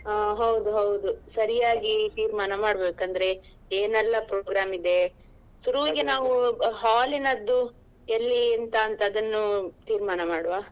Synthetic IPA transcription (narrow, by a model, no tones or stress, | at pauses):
aːɦɐwud̪uɦɐwud̪usɐɾijaːɡit̪iːɾmaːnɐmaːɽbeːkɐnd̪ɐɾe̞ | eːnɛlːɐpɾoːɡɾaːmid̪e̞ | suɾuʋiɡenaːʋuɦaːlinɐd̪ːu | elːiːnt̪aːnt̪ɐːd̪ɐnːut̪iːɾmaːnɐmaːɽʋaː